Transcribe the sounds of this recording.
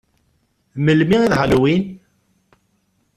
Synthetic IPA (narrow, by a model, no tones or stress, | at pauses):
məlmiʁiðʁəlwin